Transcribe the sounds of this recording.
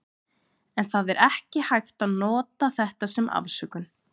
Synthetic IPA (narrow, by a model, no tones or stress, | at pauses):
ɛnθaðɛɾʔɛhcɪhajht̪aðnɔːt̪aθɛht̪asɛmʔa̰vsœkʏn